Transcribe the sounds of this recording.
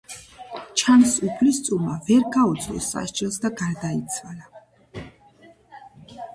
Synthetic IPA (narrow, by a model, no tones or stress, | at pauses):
t͡ʃʰansupʰlist̪sʼumavɛɾɡaut̪sʰʼɔ̰sːa̰ʃd͡ʒʼɛlˠsd̪aɡaɾd̪ait̪sʰala